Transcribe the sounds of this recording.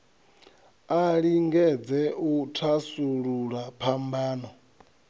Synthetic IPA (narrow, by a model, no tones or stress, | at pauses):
aɺiŋɡɛd͡zɛutʰasuɺuɺapʰambaːnɔ